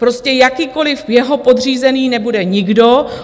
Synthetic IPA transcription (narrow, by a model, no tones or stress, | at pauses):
pɾo̞scɛjakiːko̞lɪfjɛɦo̞po̞d̪riːzɛniːnɛbudɛɲɪɡdo̞